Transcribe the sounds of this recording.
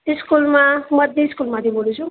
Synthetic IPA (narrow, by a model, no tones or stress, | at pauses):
iskulmamʌd̪jeskulmat̪ʰibolut͡sʰu